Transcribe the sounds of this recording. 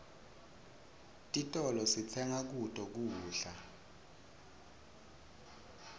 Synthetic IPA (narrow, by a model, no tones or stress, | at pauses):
tʼitʼɔlɔsit͡sʰɛŋak̬utʼɔk̬uːɬa